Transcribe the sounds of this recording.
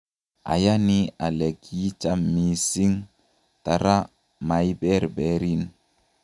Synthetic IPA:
a̰˨ja˦ni˦a˨lɛ˨ki˦t͡ʃa˦mːi˨si˦ŋ | ta˨ɾa˦ | ma˨ji˦bɛ˦ɾbɛ˨ɾi˦n

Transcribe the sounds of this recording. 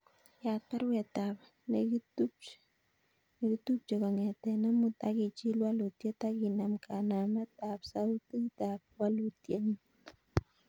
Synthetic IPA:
ja˨t̚pa˦ɾwɛ˨tap | nektu˦ | ne˨ki˦tu˦p̚t͡ʃe˨ka˨ŋɛ˨tɛ˨na˦mu˦ta˦ki˨t͡ʃi˦lwa˦lu˨tje˦ta˦ki˨na˨mkʰa˨na˨mɛ˦ta˨psa˦tɨ˦ta˨p̚lwa˦lu˨tje˦ɲi˦

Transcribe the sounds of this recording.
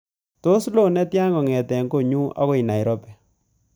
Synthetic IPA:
to˦slo˦nɛ˦tja˦ŋɡɔ˨ŋɛ˨tɛ˨ŋɡo˦˨ɲu˦a̰˦ko˦i˨na˨i˨ɾɔ˦pɛ˨

